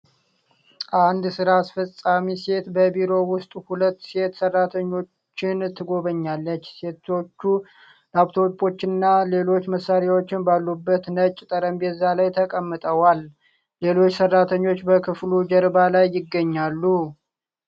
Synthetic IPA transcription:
ʔand̪sɨɾaːsfəsʼamise̞t̪bəbiɾo̞wʊst̪ʼhulət̪ːse̞t̪sərːat̪ʰəɲːo̞t͡ʃːɪnt̪ʰːɨɡo̞βəɲːalːət͡ʃːse̞t̪ʰo̞t͡ʃːu | laβt̪ʰo̞pʼo̞t͡ʃːɪnɨnːale̞lo̞t͡ʃːməsːaɾjawo̞t͡ʃːɪnbalːubːət̪nət͡ʃʼːɪt̪ʼəɾəmbɛzːalajt̪ʰəkʼəmːɨt̪ʼəwalː | e̞lo̞t͡ʃːsərːat̪ʰəɲːo̞t͡ʃːbəkʰɨflud͡ʒəɾbalajːɪɡːəɲːalːu

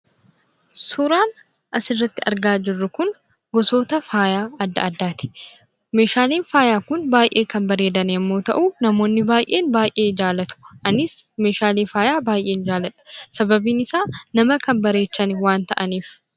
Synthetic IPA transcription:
suɾaːn | ʔɐsɪrːɐt̪ːɪɐɾɡaːd͡ʒɪrːʊkʊn | ɡɔso̞ːt̪ɐfaːjaːɐd̪ːɐ̰ɐd̪ːaːt̪ɪ̥ | me̞ːʃaːliːnfaːjaːkʊnbaːjʔe̞ːkɐnbɐɾe̞ːd̪ɐnjɛmːo̞ːt̪ɐ̰ʔuːnɐmo̞ːnːɪbaːjʔe̞ːnbaːjʔe̞ːd͡ʒaːlɐt̪ʊ̥ʔɐnɪsme̞ːʃaːleːfaːjaːbaːjʔe̞ːnd͡ʒaːlɐᶑɐ̥sɐbɐbiːnɪsaːnɐmɐkɐmbɐɾe̞ːt͡ʃːɐnɪwaːnt̪ɐʔɐniːf

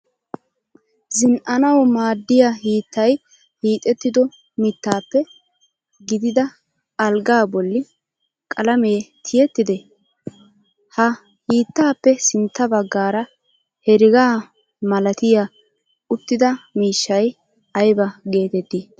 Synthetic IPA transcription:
zɪnʔɐnɐwmaːd̪ːɪjahiːt̪ːɐj | hiːt̪ʼɛt̪ːɪd̪ɔ | mɪt̪ːaːpːɛ | ɡɪd̪ɪd̪ɐ | ɐlɡaːbɔlːɪ | kʼɐlɐme̞ːt̪ʰɪjɛt̪ːɪd̪ɛ | hɐ | hiːt̪ːaːpːɛsɪnt̪ːɐbɐɡːaːɾɐ | hɛɾɪɡaː | mɐlɐt̪ɪja | ʊt̪ːɪd̪ɐmiːʃːɐj | ɐjbɐɡe̞ːt̪ɛt̪ːi

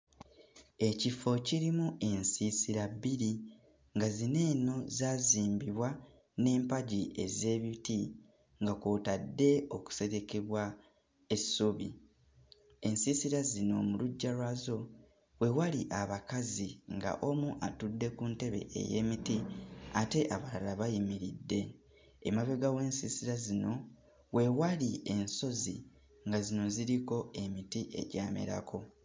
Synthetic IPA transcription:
e̞cifo̞ciɾimue̞nsisiɾabiɾi | ŋɡazine̞ːno̞zaːziːmbiβwa | ne̞ːmpaɟie̞̰ze̞ːβiti | ŋɡako̞ːtadːe̞o̞ku̥se̞ɾe̞ke̞βwa | e̞sːuβḭ | e̞nsisiɾazino̞muluɟːaɾwazo̞ | we̞waliʔaβakaziŋɡa̰ʔo̞muʔatudːe̞kunte̞βe̞̰ʔḛje̞̰ːmitiate̞ʔaβalalaβajimiɾidːe̞ː | maβeɡawe̞ːnsisiɾazino̞ | we̞walie̞nso̞zi | ŋɡazino̞ziɾiko̞e̞mitiʔe̞̰ɟaːmḛɾa̰kʰo̞

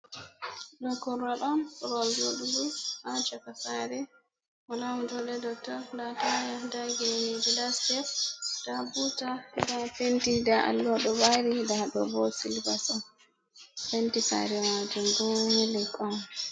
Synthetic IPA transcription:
ɗɔkɔlaɗɔnkɾɔld͡ʒoɗuduhat͡ʃɔkasaɾɛ | walamd͡ʒɔɗɛdɔk̚tɔɾndatajadaɡɛnibilasɡɛfd̥abutadafentidaʔa̰lːɡɔɗɔbaɾidaɗɔbɔsilbasɔn | fentisa̰ɾɛmad͡ʒumɡɔmilɛkːɔn

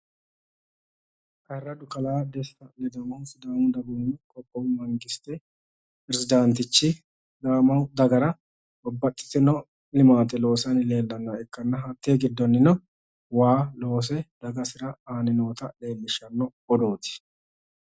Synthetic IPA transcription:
kɐrːɐd̪ʊkɐlaːd̪ɛsːɐlɛd̪ɐwʊsd̪aːmʊd̪ɐbʊnkʼɔpʼːɔwmɐŋɡɪst̪ɛ | pɾɛsɪd̪ant̪ɪt͡ʃːɪ | d̪aːmɐwd̪ɐɡɐɾɐ | bɔbːɐt̪ʼːɪ̥t̪ɪnɔ | lɪmaːt̪ʼɛlo̞ːsɐnle̞ːlːɐnːɐɛkːɐnːɐɐt̪ːeɡɪd̪ːɔnːɪnɐ | waːlo̞ːs̬ɛd̪̥ɐɡɐsɪɾɐaːnɪno̞ːt̪ɐle̞ːlːɪʃɐnːɔ | ɔd̪o̞ːt̪ɪ̥

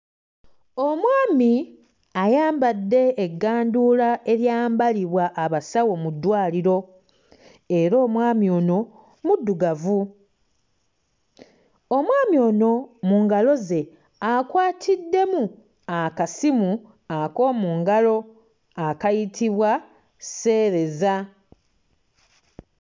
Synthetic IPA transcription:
o̞mwaːmi | ajaːmbadːe̞ːɡːaːnduːlae̞ɾjaːmbaliβwaʔːβasawo̞mudːwaːliɾo̞ | e̞ɾo̞ːmwaːmio̞ːno̞ | mudːuɡavu | o̞mwaːmjo̞ːno̞muːŋɡalo̞ze̞ | akwaːtʰidːe̞mu | akasimu | ako̞ːmuːŋɡalo̞ | akajitʰiβwa | se̞ːɾe̞za

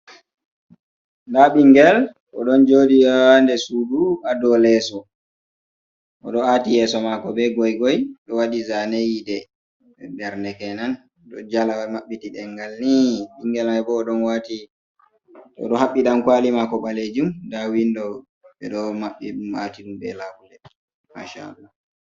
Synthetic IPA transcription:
ndaɓiŋɡɛl | ʔɔɗɔnd͡ʒodiandɛsuduʔadɔlɛsɔ | ʔɔ̰ɗɔatijɛsɔmakɔbɛɡɔjɡɔjɗɔwadizanejidɛ | bɛɾnɛkɛnan | ɗɔ̰d͡ʒalamaɓːitiɗɛŋɡalniɗiŋɡɛlajbɔːɗɔnwati | ɗɔ̰ɗɔɦaɓːiɗamkwalimakɔɓaled͡ʒumdawindɔ | ɓɛ̰ɗɔmaɓːiumatiɗumbɛ̰labulɛ | ma̰ʃa̰a̰lːa

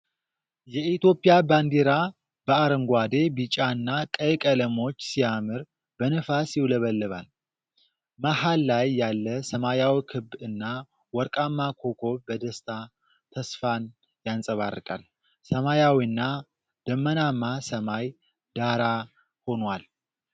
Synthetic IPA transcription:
jɛit̪jo̞pʼijaband̪eɾa | b̥əaɾəŋɡʷad̪e̞bit͡ʃʼaɨnːakʼəjkʼələmo̞t͡ʃːsijamɨɾ | b̥ənɨfasjɪwləβəlːɨβa̰l | məhalːajːalːəsəmajawikʰɨbɨnːa | wɔɾkʼamːakʰo̞kʰo̞bəd̪əst̪ʰa | t̪ʰəsfan | jansʼəβa̰rːɨ̰kʼa̰l | səmajawiɨnːa | d̪̥əmːənamːasəmaj | d̪̥aɾa | ho̞nwal

